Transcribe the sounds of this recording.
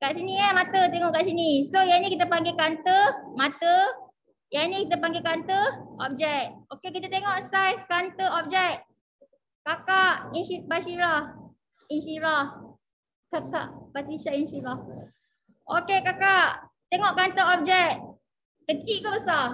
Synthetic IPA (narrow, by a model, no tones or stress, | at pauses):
kaʔsiniəmãt̪ət̪eŋɔʔkaʔsinisojanĩkit̪əpaŋɡekant̪əmãt̪ə | janĩkit̪əpaŋɡekant̪əʔɔ̰p̚d͡ʒɛt̚okek̬it̪ət̪eŋɔʔsajskant̪əɔp̚d͡ʒɛk̚ | kakaʔinipaʃiɾah | inʃiɾah | kaka̰ʔpat̪ɾiʃainʃiɾah | ʔokekakaʔ | t̪eŋɔʔkant̪əɔp̚d͡ʒɛk̚ | kət͡ʃiʔkobəsa